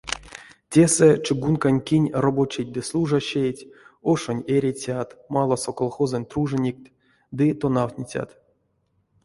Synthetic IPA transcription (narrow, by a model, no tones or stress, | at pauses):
tʲe̞sɛt͡ʃɨɡunkanʲkʲinʲrobot͡ɕet̚ʲd̪ɨslˠuʐaɕejtʲoʂonʲeɾʲet͡sʲat̪malˠasokolˠxozɨnʲt̪ruʐɨnʲik̚t̪ʲ | d̪ɨt̪o̞nawt̪ʲnʲit͡sʲa̰t̪